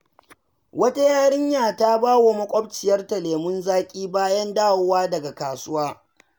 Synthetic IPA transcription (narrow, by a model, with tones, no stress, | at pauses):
wɐ˦ta˦jaː˦ɽɪ˦ɲjaː˨ta˦baː˦wo˨mɐ˦kʷʼɔ˦b̚t͡ʃɪ˨jɐ˦rtɐ˨leː˨mʊ˦nzaː˦kʲʼiː˦baː˦jɐ˦ndaː˦˨wʊ˦waː˦dɐ˨ɡa˨kaː˨sʊ˦waː˦